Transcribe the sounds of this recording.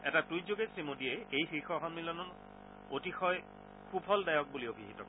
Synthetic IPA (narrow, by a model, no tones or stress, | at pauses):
ɛ̰tatujzoɡesimodiɛejxixɔɦɔmmilɔnɔn | otixɔj | xubʰʱɔldajɔk̚buliobʱiɦitɔ̰k